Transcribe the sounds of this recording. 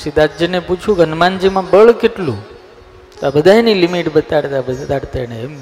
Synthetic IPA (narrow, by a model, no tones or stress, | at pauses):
sid̪ad͡ʒjəneput͡ʃʰũɡʱənmãnd͡ʒimãbəɭkeʈlṵ̃ | t̪oabəd̪ʱaenilimiʈbət̪aɽt̪abət̪aɽt̪eneːm